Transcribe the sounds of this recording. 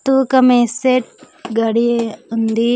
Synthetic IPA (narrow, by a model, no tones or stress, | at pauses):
t̪ukɐmẽseʈ̚ | ɡɐɽiund̪i